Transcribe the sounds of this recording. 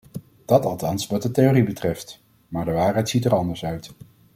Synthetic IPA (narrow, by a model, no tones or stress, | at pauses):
d̥ɑtɑlˠtɑnsʋɑt̚dəteoribətrɛft | maːɹdəʋaːɹɦɛjtsitəɹɑndəɹsœɥt